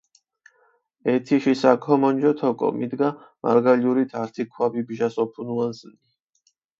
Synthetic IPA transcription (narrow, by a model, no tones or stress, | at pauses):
ɛt̪ʰiʃisakʰɔmɔnd͡ʒɔt̪ʰɔkʼɔ̰mid̪ɡa | ma̰ɾɡaliuɾit̪ʰaɾt̪ʰikʰwabibʒasɔpʰunuansni